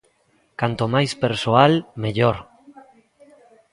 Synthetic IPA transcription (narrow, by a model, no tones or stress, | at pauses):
kant̪omajspeɾsoalmeʎoɾ